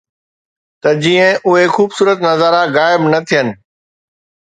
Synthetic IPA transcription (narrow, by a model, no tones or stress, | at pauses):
t̪ɐd͡ʑiːə̃ʊɦexuːbsuːɾət̪nɐzaːɾaɣaːɪbnɐt̪ʰijənɪ̆